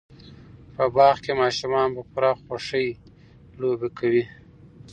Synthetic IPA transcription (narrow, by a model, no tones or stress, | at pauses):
pəbɑɣkemɑʃumɑnpəpuɾɑxoʂəj | lobekawi